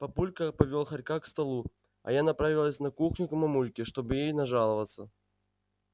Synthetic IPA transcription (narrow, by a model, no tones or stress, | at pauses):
pɐpulʲkəpɐvʲolˠxɐrʲkakst̪ɐlˠu | ɐ̰janɐpɾavʲilˠəsʲnɐkuxnʲʊkɐmɐmulʲkʲɪʂt̪obɨjejnɐʐalˠɐvət̪sːə